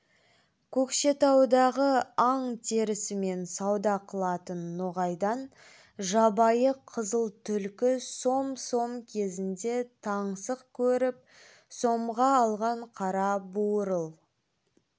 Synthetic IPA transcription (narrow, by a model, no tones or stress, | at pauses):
kʲʰɵkʃe̞t̪ɑwd̪ɑʁəɑɴt̪ʰe̞ɾɪsɪme̞nsɑwd̪ɑqʰəlˠɑt̪ənːoʁɑjd̪ɑn | ʒɑbɑjəqʰəzəlˠt̪ʰʏlkʲɪso̞mso̞mkʲʰe̞zɪnd̪e̞t̪ʰɑɴsəqkʲʰɵɾɪp̚ | so̞mʁɑːlˠʁɑɴqʰɑɾɑbuɾəlˠ